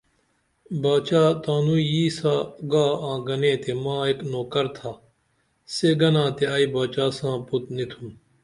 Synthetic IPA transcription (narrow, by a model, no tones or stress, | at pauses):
baːt͡ɕaːt̪aːnujiːsaːɡaːãːɡɐnẽːt̪emãːeknoːkɐɾt̪ʰaː | seːɡɐnãːt̪eaːibaːt͡ɕaːsãːput̪nit̪ʰum